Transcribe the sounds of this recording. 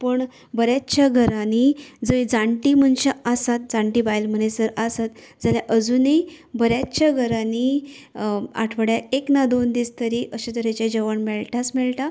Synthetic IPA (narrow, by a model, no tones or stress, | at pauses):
pəɳ | bəɾjat͡ɕaɡʱəɾanid͡zəid͡zaɳʈimənɕaasat̪̚d͡zãɳʈiːbajlm̤ənesəɾasat̪ | d͡zaljaʔəd͡zunibəɾjat͡ɕaɡʱəɾani | a̰ʈʰʋəɽjaeknad̪ond̪iːst̪əɾiʔəɕit̪əɾat͡ɕad͡ʑəʋəɳmɛɭʈʰasmɛɭʈa